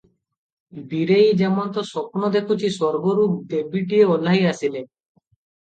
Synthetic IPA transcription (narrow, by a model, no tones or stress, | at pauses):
biɾejd͡ʑɛmont̪osɔpnod̪ekʰut͡ɕʰisɔɾɡoɾup̚d̪ebiʈieolːaɦiasile